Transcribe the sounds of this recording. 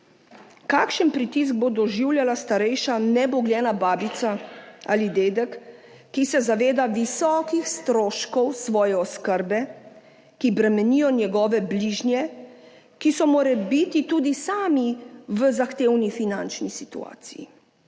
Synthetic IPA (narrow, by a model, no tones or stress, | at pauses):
kakʃənpɾit̪is̬ɡ̚bod̪ɔʒiwljalast̪aɾɛjʃanɛbɔɡljɛːnabaːbit̪saa̰lid̪eːd̪ɛkː | isɛzaʋeːd̪aʋisɔːkixst̪ɾoːʃkɔwsʋɔːjɛɔskəɾbɛ | kibɾɛmɛnijɔnjɛɡɔːʋɛbliːʒnjɛ | kisɔmoːɾɛbit̪it̪uːd̪isaːmiʋəzaxt̪eːwnifinant͡ʃnisit̪ṵa̰ːt̪sijḭ